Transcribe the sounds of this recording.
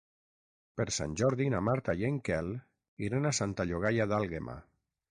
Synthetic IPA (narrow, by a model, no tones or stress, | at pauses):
peɾsa̰nʲʒɔɾðinamaɾt̪ajeŋkɛl | iɾenasant̪aʎoɣajaðalˠɣemʔa̰